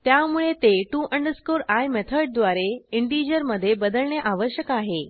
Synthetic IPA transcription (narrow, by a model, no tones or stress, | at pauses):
t̪jamuɭet̪eʈuʔəɳɖəskoɾajmɛt̪ʰəɾɖ̚d̪ʋaɾeiɳʈid͡ʑəɾməd̪ʱːjebəd̪əlɳjaʔaʋəɕjəkaɦe